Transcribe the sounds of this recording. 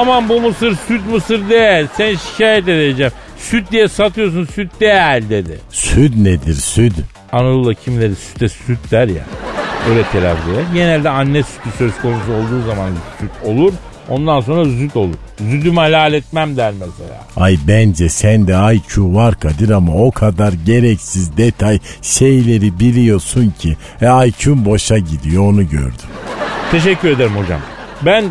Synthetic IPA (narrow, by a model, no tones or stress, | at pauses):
amanbumɯsɯɾsyt̪mɯsɯɾd̪ejælʲsænʃi̥cʰaːjɛt̪̬ed̪ed͡ʒɛm | syt̪̚d̪ijɛsat̪ʰɯjos̬unsyt̪̚d̪ejælʲd̪e̞d̪ɪ̰syd̪ned̪iɾsyd̪ | anaulˠacʰimlʲeɾisy̥t̪ɛsyt̪d̪æɾja̰øjlʲɛt̪ʰelʲaflˠojaɟe̞nælʲd̪ɛanːɛsy̥t̪ʰysø̞zkʰo̞nus̬uo̞lˠd̪uːzamansyt̪ʰo̞lˠuɾ | o̞nd̪ans̬o̞nɾazyt̪o̞lˠuɾ̥zyd̪ymalʲaːlʲɛt̪mæmd̪æɾmɛselʲa̰ːajbænd͡ʒɛsænd̪ɛajcʰuvaɾkʰad̪ɯɾamao̞kʰad̪aɾɟe̞ɾɛcsizd̪et̪ʰajʃe̞jlʲe̞ɾibilʲijo̞suncʰi | ɛajcʰymbo̞ʃaɟid̪ijo̞onuɟø̰ɾd̪ymt̪ʰe̞ʃɛcːyɾe̞d̪eɾimho̞d͡ʒa̰m | bæn